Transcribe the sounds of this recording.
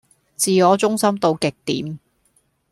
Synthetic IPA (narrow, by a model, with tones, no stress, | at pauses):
t͡siː˨ŋɔː˨˧t͡sʊ˥ŋsɐ˥mt̪o˧wkɪ˨k̚t̪iː˨˥m